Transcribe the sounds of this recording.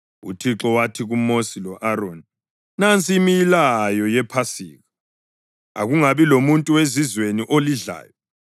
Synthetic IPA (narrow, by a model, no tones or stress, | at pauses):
ṵtʰiǁɔwatʰiɣumosilɔʔaɾoːni | nant͡sʼimijilajɔjɛpʰasiːɣa | a̰ɣuŋaβilomuntʼuwezizweniʔoliɮa̰ːjɔ